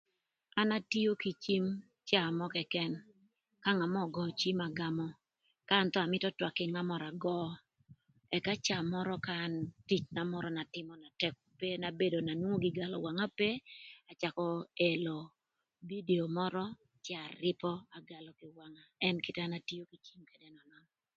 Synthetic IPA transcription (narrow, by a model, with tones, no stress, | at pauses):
a˦na˦ti˦o˦ki˨t͡ʃi˦m | t͡ʃa˦˨mɔ˦kɛ˨kɛ˦n | ka˦ŋa˨mɔ˦ɡɔ˨t͡ʃi˦ma˨ɡa˦mɔ˦ | kaː˦nt̪ɔ˦a˨mɪ˦tɔ˦twa˨kɪ˦ŋa˦mɔ˨ɾa˨ɡɔ˦ | ɛ˨ka˦t͡ʃa˨mɔ˦ɾɔ˦ka˦˨nti˨t͡ʃna˨mɔ˦ɾɔ˦na˨tɪ˦mɔna˨tɛ˦ko˨pe˦na˨be˦do˨na˨nwŋo˦ɡɪ˨ɡa˨lɔ̰˨wa˨ŋa˦pe˦a˨t͡ʃa˨kɔ˦e˨lo˨ | bi˦de˨o˨mɔ˦ɾɔ˦ | t͡ʃa˨ɾɪ˦pɔ˦a˨ɡa˨lɔ˨kɪ˨wa˨ŋa˦ɛ˦nkɪ˦ta˦na˦ti˦jo˦ki˨t͡ʃi˦mke˨dɛ˦nɔ˨nɔ˦nɔ